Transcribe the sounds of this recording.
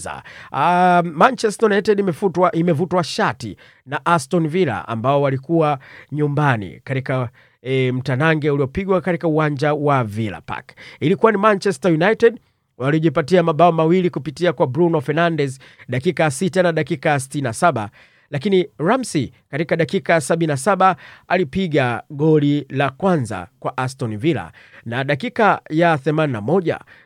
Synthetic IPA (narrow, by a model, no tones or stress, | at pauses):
a̰ | mant͡ʃɛstajunatɛɗfuaʔimɛvutwaʃatḭ | naʔastɔnvila̰a̰mbaɔwalikuaɲumbanḭkatika | m̩tanaŋɡɛuliɔpiɡwakatikauwaɲd͡ʒauwavila̰pa̰kilikuwanimant͡ʃɛstajunajtɛɗ | waliɔʄipatiamaɓaɔmawilikupitiakwabɾunɔfɛnandɛz | ɗakikasitanaɗakikasi̥tininasaɓa̰ | lakiniɾamsikatikaɗakikasaɓininasaɓaalipiɠaɠɔlilakwanza̰kwaʔastɔnivila̰ | naɗakikajaθɛmaninamɔʄa̰